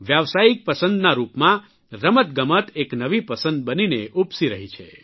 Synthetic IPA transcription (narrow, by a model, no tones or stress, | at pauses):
ʋjaʋsaik̚pəsə̃nd̪naɾupmã | ɾəmət̪̚ɡəmət̪eknəʋipəsə̃nd̪̚bənineʔupsiɾəɦit͡ʃʰḛ